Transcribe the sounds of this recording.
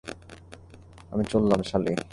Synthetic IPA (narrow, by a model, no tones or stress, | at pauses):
a̰mit͡ɕolːameʃalḭ